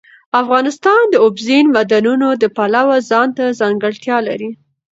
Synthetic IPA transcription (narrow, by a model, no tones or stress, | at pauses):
afɣɑnɪst̪ɑnd̪əʊbzinmad̪anunod̪əpalawazɑnt̪azɑŋɡəɽt̪jɑla̰ɾi